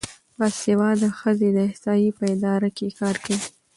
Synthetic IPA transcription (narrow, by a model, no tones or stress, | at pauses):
bɑsewɑd̪əxəzed̪əɪhsɑjipəɪd̪ɑɾakekɑɾkawi